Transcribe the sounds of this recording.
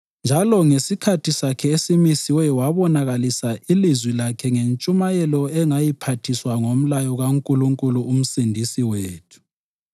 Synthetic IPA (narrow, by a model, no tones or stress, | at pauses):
nd͡ʒʱalɔŋesikʰatʰisakʰɛesimisiwɛwaβɔnaɣalisailizwilakʰɛŋent͡ʃʼumajɛlɔɛŋajipʰatʰiswaŋom̩lajɔɣaŋkʼuluŋkʼuluːm̩sindʱisiweːtʰu̥